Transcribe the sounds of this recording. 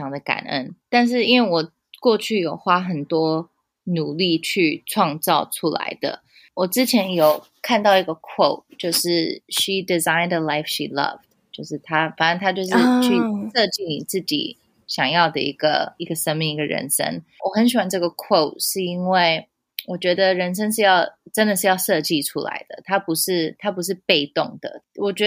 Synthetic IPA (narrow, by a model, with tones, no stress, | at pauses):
ɑ˧˥ŋd̪ə˨ka̰˨˩nə̰˦nt̪a˥˧nʂ̬ɻ̩˥˩i˥nwe˥˩ɪwɔ˨˩ | kwɔ˥˧t͡ɕʰy˥˩jo˨˩ʊxwa˥xə˨˩nt̪wɔ˥ | nu˨˩li˥˧t͡ɕʰy˥˧ʈ͡ʂʰwɑ˥˧ŋt͡sɑ˥˩ʊʈ͡ʂʰu˥la̰˧˥ɪd̪ə̰˨ | wɔ˨˩t͡sɻ̩˥t͡ɕʰjɛ˧˥njo˨˩ʊ | kʰa˥˧nt̪ɑ˥˩ʊi˧˥ɡə˧kʰwo˥˩ʊt͡ɕjo˥˧ʊʂɻ̩˥˩ʂi˨˩di˨za˥ɪ̃nd̪ə˩la˥˧ɪfʃḭ˨lʌ̰˥˧v̥ | t͡ɕjo˥˧ʊʂɻ̩˥˩t̪ʰa˥fa˨˩nə˥˩nt̪ʰa˥t͡ɕjo˥˧ʊʂ̬ɻ̩˥˧t͡ɕʰy˥˧ʂɤ˥˧t͡ɕi˥˩ni˨˩t͡sɹ̩˥˩t͡ɕḭ˨˩ | ɕjɑ˨˩ŋjɑ˥˩ʊd̪ə̰˩ḭ˧˥ɡ̥ə̰˧i˧˥ɡə˨sə˥nmi˧˨ŋi˧˥ɡə˧ɻə̰˧˥nʂə̰˥ŋwʔɔ˨˩xə˧˥nɕ̬i˨˩wa˧˥nʈ͡ʂɤ˥˩ɡə˩kʰwo˥˩ʊʂɻ̩˥˩i˥nwe˥˩ɪ | wɔ˨˩t͡ɕɥɛ˧˥d̪ə˧ɻə˧˥nʂ̬ə˥ŋʂɻ̩˥˧jɑ˥˧ʊʈ͡ʂə˥nd̪ə˨ʂ̬ɻ̩˥˧jɑ˥˧ʊʂɤ˥˧t͡ɕi˥˩ʈ͡ʂʰu˥la̰˧˥ɪd̪ə̰˨˩t̪ʰa˥pu˧˥ʂɻ̩˥˩t̪ʰa˥pu˧˥ʂ̬ɻ̩˥˩˧pe˥˧ɪt̪ʊ˥˩ŋd̪̥ə̰˩wɔ˨˩t͡ɕɥɛ˧˥